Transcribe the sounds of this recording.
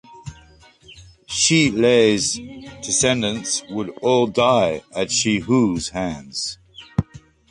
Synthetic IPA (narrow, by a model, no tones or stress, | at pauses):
ʃiˑleɪzd̥ɪsɛ̃ndə̃nswəɾɔːlˠdaɪəz̥ʃihuz̥hæ̃nz̥